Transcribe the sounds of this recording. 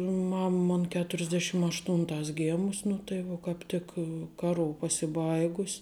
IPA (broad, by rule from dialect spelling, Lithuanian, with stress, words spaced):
ˈmɐm ˈmoːn kʲɛtʊrʲɪzʲˈdʲæːʃʲɪm ɐʃˈtuːntɑːs ˈɡʲeːmʊs nʊ tɐɪ ˈʋuɔ kɑːp ˈtʲɪk kɐˈruː pɐsʲɪˈbɐɪɡʊsʲ